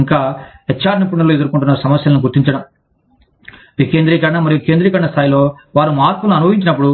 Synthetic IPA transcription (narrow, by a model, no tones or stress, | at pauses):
ŋkaːɐt͡ʃːaːɾɐnip̬uɳːɐloːed̪uɾukuɳʈunːɐɾsɐmɐsjɐlɐnuɡuɾt̪iɲt͡ʃɐɽɐm | ʋikeːnd̪ɾiːkɐɽɐɳɐmɐɾijokeːnd̪ɾiːkɐɽɐɳɐst̪ʰaːjilo̞ː | ʋaːɾumaːɾkulɐnuɐnubɐɦiɲt͡ʃinɐp̬ːuɽu